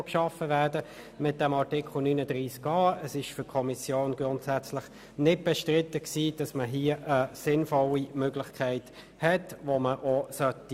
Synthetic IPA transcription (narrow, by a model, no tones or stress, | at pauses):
kʃɑfəvædə | mɪt̚d̥ɛmɑʁtɪkχl̩nyːnəd̥ʁiːskɑːəsɪʃfʏkʰɔmisjoːnɡ̥ʁʊntsæt͡slɪχ | nɪt̚b̥ɛʃtʁɪtːəksiːd̥ɑsməɦiəʔəsɪnfɔlimøɡlɪχkʰæɪt | hɛtvoməʔosœti